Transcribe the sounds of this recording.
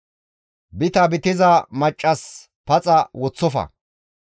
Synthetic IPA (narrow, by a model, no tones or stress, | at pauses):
bɪt̪ɐbɪt̪ɪzɐmɐt͡ʃʼːɐs | pɐt͡sʼɐwɔt͡sːɔfɐ̰